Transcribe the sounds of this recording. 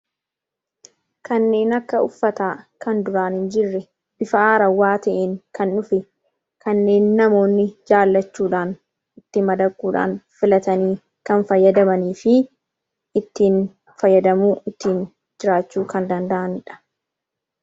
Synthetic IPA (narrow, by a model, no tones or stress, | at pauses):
kɐnːe̞ːnɐkːɐʊfːɐt̪aːkɐnd̪ʊɾaːnhɪnd͡ʒɪrːɛ | b̥ɪfɐaːɾɐwaːt̪ɐʔeːŋkɐnːʊfɪ | kɐnːe̞ːnːɐmo̞ːnːɪd͡ʒaːlːɐt͡ʃːuːᶑaːn | ɪt̪ːɪmɐd̪ɐkʼːuːᶑa̰ːnfɪlɐt̪ɐniː | kɐnfɐjːɐd̪ɐmɐniːfɪ | ɪt̪ːiːn | fɐjːɐd̪ɐmuːɪt̪ːiːn | d͡ʒɪɾaːt͡ʃːuːkɐnd̪ɐnd̪ɐʔɐnɪᶑɐ̥